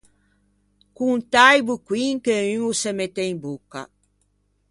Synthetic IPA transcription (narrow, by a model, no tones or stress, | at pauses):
kuŋt̪ajbukwiŋkeyŋusemet̪ːeimbukːa̰